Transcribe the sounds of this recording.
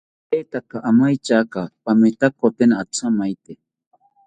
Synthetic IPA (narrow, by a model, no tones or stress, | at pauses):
et̪akaʔamajt͡ʃakapamet̪akot̪enaat͡sʰamajt̪e